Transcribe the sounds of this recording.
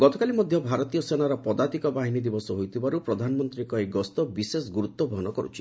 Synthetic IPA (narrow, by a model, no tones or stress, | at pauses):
ɡɔt̪ɔkalimɔd̪ʱjɔbʱaɾɔt̪ijɔsenaɾɔpɔd̪at̪ikɔbaɦinid̪ibɔsɔɦojt̪ʰibaɾupɾɔd̪ʱanɔmɔnt̪ɾikɔeɡɔst̪ɔbisesɡuɾut̪ːɔbʱɔɦɔnɔkɔɾṵt͡ʃʰi̥